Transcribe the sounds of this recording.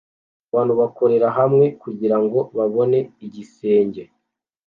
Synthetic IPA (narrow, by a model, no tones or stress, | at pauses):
βaːnhuβako̞ɾe̞ɾaɦamŋe̞kuɟiɾaŋɡo̞βaβo̞ne̞iɟise̞ːɲɟe̞